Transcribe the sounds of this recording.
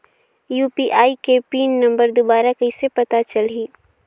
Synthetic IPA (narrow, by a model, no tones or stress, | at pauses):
juːpiʔaːikepiːnnɐ̃mbəɾd̪obaːɾakɐɪsepɐt̪at͡ʃɐlɦiː